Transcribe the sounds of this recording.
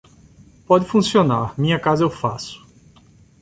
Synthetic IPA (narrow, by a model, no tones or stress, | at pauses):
pɔd͡ʒɪfũsionaɾmĩɲɐkazɐewfasʊ̥